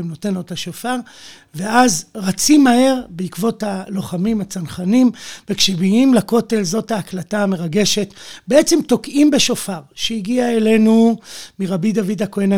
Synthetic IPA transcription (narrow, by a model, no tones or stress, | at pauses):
mno̞te̞notaʃofaʁ | veazʁat͡simahe̞ʁbeikvo̞thalo̞χamimat͡sanχanimvekʃebiimlako̞te̞lzo̞thaːklataːme̞ʁaɡe̞ʃe̞tbeet͡semto̞kʔimbe̞ʃofaʁʃeiɡiaele̞numiʁabid̪avidakoena